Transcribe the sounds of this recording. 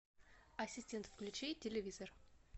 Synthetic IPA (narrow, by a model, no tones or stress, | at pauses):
ɐsʲisʲtʲent̪fkʲlʲɪt͡ʃejtʲʰelʲevʲizor